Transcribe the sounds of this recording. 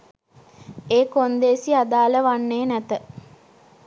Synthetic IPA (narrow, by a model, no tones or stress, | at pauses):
eːkond̪eːsiad̪aːləʋanːeːnæt̪ə